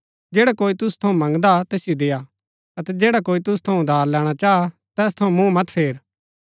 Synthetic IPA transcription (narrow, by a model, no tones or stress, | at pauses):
d͡ʒeːɽakoːit̪ʊst̪ʰɐũmɐ̃ŋɡd̪at̪ɛːsɪjod̪eːja | ɐt̪ɛd͡ʒeːɽakoːit̪ʊst̪ʰɐũd̪ʱaːɾlɛːɽ̃at͡ʃaːa | t̪ɛːst̪ʰɐũmũmɐt̪pʰeːɾ